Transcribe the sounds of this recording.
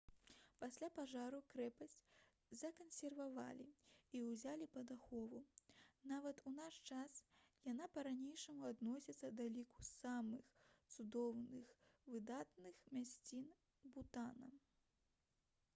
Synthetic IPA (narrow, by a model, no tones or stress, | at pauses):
pasʲlʲapaʐaɾukɾɛpɐsʲt͡sʲ | zɐkɐnsʲɛrvava̰lʲḭiwzʲalʲipɐd̪axɔvunavɐt̪unaʂt͡ʂasjanapɐɾanʲejʂɐmuad̪nɔsʲit̪sːɐd̪ɐlʲiku̥samɨxt̪sud̪ɔwnɨxvɨd̪at̪nɨxmʲasʲt͡sʲin | but̪anɐ